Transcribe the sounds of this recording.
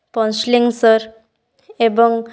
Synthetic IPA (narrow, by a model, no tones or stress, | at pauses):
pɔnsliŋsəɾ | ebɔŋ